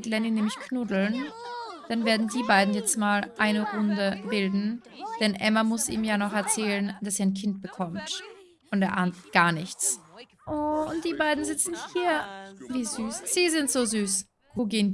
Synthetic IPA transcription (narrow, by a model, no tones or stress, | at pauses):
tlɛnɪnɛːmɪçkʰnʊdl̩nd̥anveːɐdn̩diːbaɪdn̩jɛt͡stmaːlʔaɪnəʁʊndəbɪldn̩ | d̥ɛnʔɛ̰mamʊsʔḭːmjaːnɔχɛɐt͡sɛːlənd̥aseːɐaɪnkʰɪnt̚b̥əkʰɔmt | ʔʊntɛːɐʔaːntɡ̥aːɐnɪçt͡s | ʔoʊnt̚d̥iːbaɪdn̩zɪt͡sn̩hiːɐviːzyːsz̥iːzɪntz̥oːzyːs | ɡuɡeːn